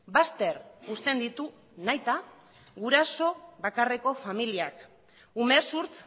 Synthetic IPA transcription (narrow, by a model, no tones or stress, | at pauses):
bast̪e̞ɾust̪e̞nd̪it̪u | najt̪a | ɣuɾaso̞βakare̞ko̞familiak | umesuɾt͡s